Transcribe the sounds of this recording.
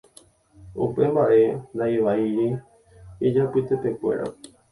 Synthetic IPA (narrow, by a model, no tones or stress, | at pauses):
upe̞mbaʔe̞nd̪aiʋaiɾi | id͡ʒapɨt̪epekue̞̰ɾa̰